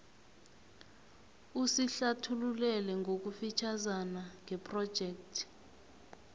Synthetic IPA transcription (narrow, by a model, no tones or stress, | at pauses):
usiɬatʰululɛlɛŋɡʱok̬ufit͡ʃʰazanaŋʱɛpʰʼrɔ̥ʒ̥ʱɛːk̚tʰi̥